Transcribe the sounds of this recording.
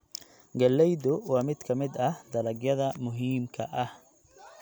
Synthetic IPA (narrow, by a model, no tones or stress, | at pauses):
ɡɐlɛjdʊwɑːmɪd̪̥kʰɐmɪd̪ɐhd̪ɐlɐɡjɐðɐmʊɦiːmkʰɐʔɐh